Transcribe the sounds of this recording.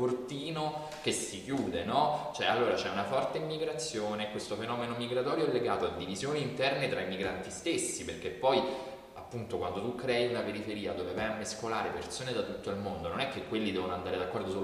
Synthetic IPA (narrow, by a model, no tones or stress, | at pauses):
ort̪iːno | kesːik̟juːd̪enɔt͡ʃoɛalːoːɾat͡ʃɛunafɔrt̪eimːiɡɾat̪sːjoːnekwest̪ofenɔːmenomiɡɾat̪ɔːɾjoɛlːeɡa̰ːt̪oad̪ːivizjoːniːnt̪ɛrnet̪ɾaimiɡɾant̪ist̪esːiperk̟epːɔj | apːunt̪okwand̪ot̪ukːɾɛjlapeɾifeɾiːad̪ovevajamːeskolaːɾepersoːned̪at̪ut̪ːoilmond̪ononɛk̟ːekːwelːid̪ɛːvonoand̪aːɾed̪akːɔrd̪osu